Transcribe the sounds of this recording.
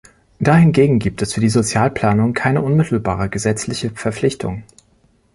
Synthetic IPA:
d̥ahɪnɡeːɡŋ̩ɡiːp̚tɛsfyːɐdiːzot͡sjaːlpl̥aːnʊŋkʰaɪnəʔʊnmɪtʰl̩baːʁ̞əɡəzɛt͡slɪçəfɛɐp͡flɪçtʰʊ̰ŋ

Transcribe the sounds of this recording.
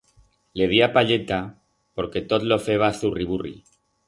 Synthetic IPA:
le̞ð̞iapaʎe̞t̪a | po̞ɾke̞t̪ot̪lofe̞β̞aθuriβurḭ

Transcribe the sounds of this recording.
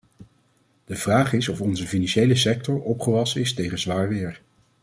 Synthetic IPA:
d̥əv̥raːχɪsɔfɔnzəfinɑnʃejləsɛk̚tɔɹʔɔpχəʋɑsənɪstejχəzʋaːɹʋɪːɹ

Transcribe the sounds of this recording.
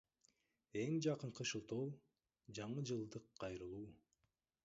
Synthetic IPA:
e̞ŋd͡ʒɑqɯɴqɯʃɯlˠt̪olˠ | d͡ʒɑɴɯd͡ʒɯlˠd̪ɯqʰːɑjɾɯlˠuː

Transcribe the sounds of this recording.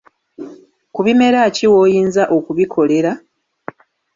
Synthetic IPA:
kuβime̞ɾaːciwoːjiːnzaʔo̞kuβikʰo̞le̞ɾa

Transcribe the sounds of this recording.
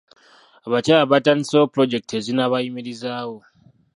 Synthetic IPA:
aβat͡ʃaːlaβatanisopɾo̞ɟe̞k̚tezinaβajimiɾizaːwo̞

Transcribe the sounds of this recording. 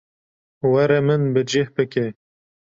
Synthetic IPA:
wɐɾɛmɨnbɨd͡ʒehbɨke

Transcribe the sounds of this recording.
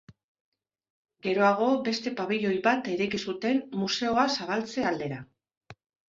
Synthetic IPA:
ɡe̞ɾo̞aɣ̞o̞be̞st̪e̞paβiʎo̞jβat̪e̞ɾekisut̪e̞mmuse̞o̞asaβ̞alt͡se̞ald̪e̞ɾa

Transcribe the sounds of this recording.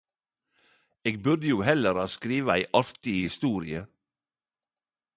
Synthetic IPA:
eːɡ̚bʉɾd̪əjuːhɛləɾɑːskɾiːʋəæɪʔɑɾt̪ɪhɪst̪uːɾɪə

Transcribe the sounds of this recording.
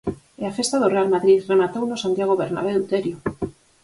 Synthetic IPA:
eafest̪aðorealmaðɾiremat̪ownosant̪jaɣ̞oβeɾna̰β̞eut̪eɾjo

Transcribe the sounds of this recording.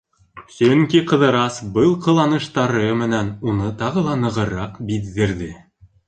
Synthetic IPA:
sɵŋkiqɤ̆ðɤ̆ɾɑsbɤlˠqɤ̆lˠɑnɤ̆ʃt̪ɑɾɤmɘ̆nænunɤt̪ɑʁɤ̆lˠɑnɤ̆ʁɤ̆ɾɑqbiðɘ̆ɾðɘ

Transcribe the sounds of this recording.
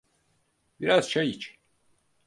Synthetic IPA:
b̥iɾaz̥ʃejit͡ʃ

